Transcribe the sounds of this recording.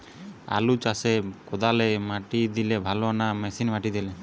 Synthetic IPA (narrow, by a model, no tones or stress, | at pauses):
a̰lut͡ʃasɛkɔd̪alɛmaʈid̪ilebʱalɔnamɛsinmaʈid̪ɛlɛ